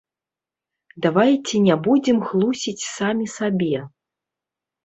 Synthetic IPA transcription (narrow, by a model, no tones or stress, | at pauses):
d̪avajt͡sʲinʲabud͡zʲimxlˠusʲit͡sʲsamʲisabʲɛ